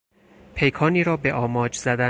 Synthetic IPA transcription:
pʰe̞jkʰɒːniːɾɒːbe̞ʔɒːmɒːd͡ʒzæd̪æ

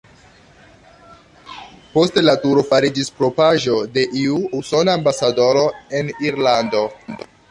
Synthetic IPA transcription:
po̞stelatuɾo̞faɾid͡ʒispɾo̞paʒo̞de̞ʔiuuso̞naːmbasado̞ɾo̞e̞niɾlando̞

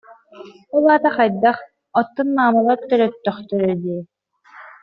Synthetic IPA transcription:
ulaːt̪aχajd̪aχ | ɔt̪ːunːaːmalˠaɾt̪œɾœt̪ːœχt̪œɾœd̪iɛ

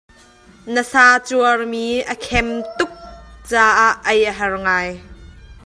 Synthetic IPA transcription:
nəsaːt͡suɐrmiːʔəkʰɛmt̪ʊk̚t͡saːʔaʔːɐjʔəɦɐrŋaːj

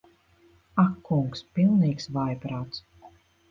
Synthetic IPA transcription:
akːuŋkspilˠniːksvajpɾaːt̪s

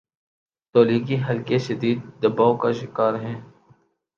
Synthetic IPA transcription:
t̪oːliːɡiɦɐlkeʃɐd̪iːd̪̚ːɐbaːokaʃɪkaːɾɦɛ̃ː

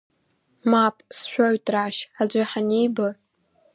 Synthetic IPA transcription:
mapʼsʃʷᶣoɥtʼraʃad͡ʒʷaħanijbɨ

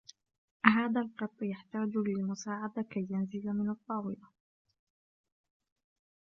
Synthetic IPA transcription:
ɦaːðalqɑt̪ˤːjaħt̪aːd͡ʒlɪlmʊsaːʕad̪akajːanzɪlamɪnɑt̪ˤːɑːwɪla

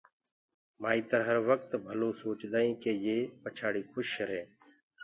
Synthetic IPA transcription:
maːĩːt̪əɾɦəɾʋək̚t̪bʱəloːsoːt͡ʃɗ̪aːĩːkeːjeːpət͡ʃʰaːɽiːkʰʊʃəɾeː

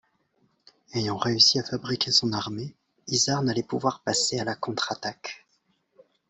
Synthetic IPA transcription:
ejɑ̃ʁeysiafabʁikʲʰesɔ̃naʁme | izaʁnalɛpuvwaʁpasealakɔ̃t̪χat̪ak

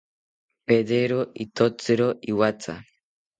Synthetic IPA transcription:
pedeɾoit̪ot͡sɨɾoiwat͡sa̰

